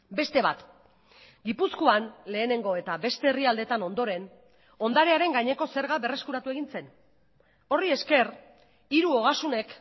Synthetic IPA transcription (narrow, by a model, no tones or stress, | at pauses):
be̞st̪e̞βat̪ | ɡipuskoanle̞ːne̞ŋɡo̞e̞t̪aβe̞st̪e̞ːriald̪e̞t̪ano̞nd̪o̞ɾe̞n | o̞nd̪aɾe̞aɾe̞ŋɡaɲe̞ko̞se̞ɾɣaβe̞re̞skuɾat̪ue̞ɣ̞inse̞n | o̞rie̞ske̞r | iɾuo̞ɣasune̞k